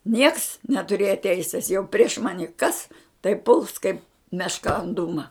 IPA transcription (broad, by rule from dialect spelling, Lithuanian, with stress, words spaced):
nʲiɛks nʲɛtʊˈrʲeːjɛ ˈtʲɛɪsʲɪs jɛʊ pʲrʲiɛʃ ˈmɑːnʲɪ ˈkɐs tɐɪ pʊlˠs kɐɪp mʲɛʃˈkɐ ɐn ˈduːmɐ